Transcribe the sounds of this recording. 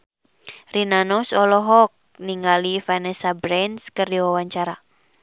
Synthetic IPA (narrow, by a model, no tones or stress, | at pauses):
rinanɔsɔlɔɦɔk̚niŋɡalifanɛsabɾɛnskərjɔwawaɲt͡ʃaɾa